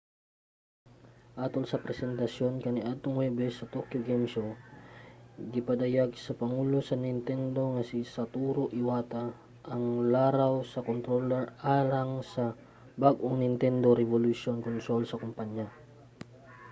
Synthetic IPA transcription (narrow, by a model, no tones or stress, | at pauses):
ʔaːt̪olsɐpɾɛsɛnt̪ɐsjonkɐniʔad̪̚t̪oŋwɛbɛsɐt̪okjoɡɛmso | ɡɪpɐd̪ɐjaɡsɐpɐŋuːlosɐnɪnt̪ɛnd̪o̞ŋɐsisɐt̪uːɾoʔɪwaːt̪a | ʔɐŋlaːɾawsɐkont̪ɾolɛɹʔaːlɐŋsɐ | baɡʔoŋnɪnt̪ɛnd̪oɾɛvoluʃonkont̪ɾolsɐkʊmpaɲja